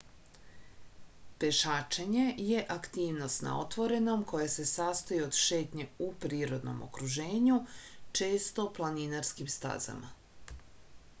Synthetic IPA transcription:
pe̞ʃaːt͡ʃeɲe̞je̞ʔakt̪iːʋno̞st̪na̰o̞̰t̪ʋo̞ɾe̞no̞mkʰo̞jase̞saːst̪ojiod̪ʃe̞ːt̪ɲe̞upɾiːɾo̞d̪no̰mo̞̰kɾuʒe̞ːɲut͡ʃe̞ːst̪o̞plˠaninaɾskimst̪a̰za̰ma̰

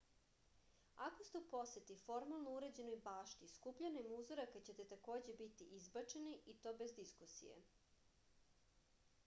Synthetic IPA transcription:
akost̪eupo̞set̪ifo̞ɾmalˠnouɾed͡ʑe̞nojbaːʃt̪iskupʎanemuzoɾakat͡ɕe̞t̪e̞t̪ako̞ːd͡ʑe̞bit̪iʔizbat͡ʃe̞niʔit̪o̞be̞zd̪iskusḭjḛ

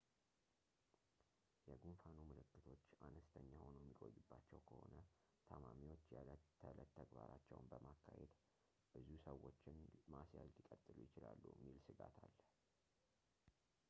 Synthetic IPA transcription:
jɛɡunfanumɨlɨkːɨt̪ʰo̞t͡ʃːanəst̪ʰəɲːahonojɛmːiɡʼojɨbːat͡ʃːɛwkʰəho̞nə | t̪ʰəmamiwo̞t͡ʃːjɛələt̪ʰːəɡbaɾat͡ʃːɛ̰wnbəmakːahḛd̪ | b̥ɨzusəwːo̞t͡ʃːɪnmasjalːɪkʼət̪ʼːɨlujɪt͡ʃɪlalːṵjɛmːilsɨɡat̪ʰalː

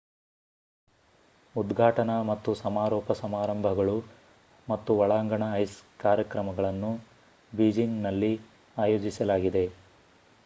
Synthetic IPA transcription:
ud̪ɡʱaːʈɐnɐmɐt̪ːusɐmaːɾɔːpɐsɐmaːɾɐmbʱɐɡɐɭu | mɐt̪ːuʋɐɭaːŋɡɐɳɐɐjskaːɾjɐkɾɐmɐɡɐɭɐnːu | biːd͡ʒiŋɡnɐlːi | aːjoːd͡ʒisɐlaːɡid̪e̞

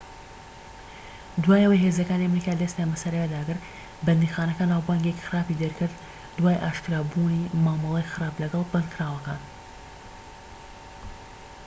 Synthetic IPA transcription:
d̪waːjɐwɐjɦezɐkaːniɐmɾikaːlɐst̪amɐsɐɾejɛd̪aːɡɨɾ | bɐnd̪ixaːnɐkanawbaːŋɡekxɨɾaːpid̪eɾkɨɾd̪ | d̪waːjʔa̰ːʃkɨɾaːbunimaːmɨlˠejxɨɾaːplɐɡɐlˠbɨnkʰɾaːwɐka̰ːn

